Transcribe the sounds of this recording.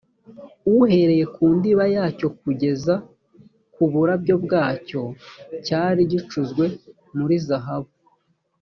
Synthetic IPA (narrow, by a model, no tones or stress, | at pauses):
uhe̞ɾe̞je̞kuːndiβajaːco̞k̚uɟe̞za | kuβuɾabɟo̞bɡaːco̞caːɾiɟit͡ʃuzɡwe̞ | muɾizaɦaβu